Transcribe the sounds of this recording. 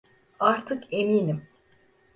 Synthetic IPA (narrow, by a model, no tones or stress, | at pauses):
aɾt̪ʰɯke̞miːnim